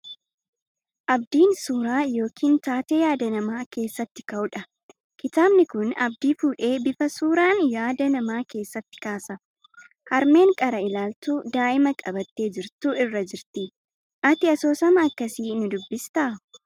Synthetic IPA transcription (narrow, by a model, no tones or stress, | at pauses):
ʔɐb̚d̪iːnsuːɾaːjo̞ːkʰiːnt̪aːt̪e̞ːjaːd̪ɐnɐmaːke̞ːsːɐt̪ːɪ̥kɐʔʊᶑɐ | kɪt̪aːbnɪkʊnɐ̰bd̪iːfuːᶑe̞ːbɪfɐsuːɾaːnjaːd̪ɐnɐmaːke̞ːsːɐt̪ːɪ̥kaːsɐ | hɐɾme̞ːŋkʼɐɾɐɪlaːlt̪uːd̪aːʔɪmɐkʼɐbɐt̪ːe̞ːd͡ʒɪɾt̪uɪrːɐd͡ʒɪɾt̪ɪ | ʔɐt̪ɪɐso̞ːsɐmɐːkːɐsiːnʊd̪ʊbːɪst̪ɐʔɐ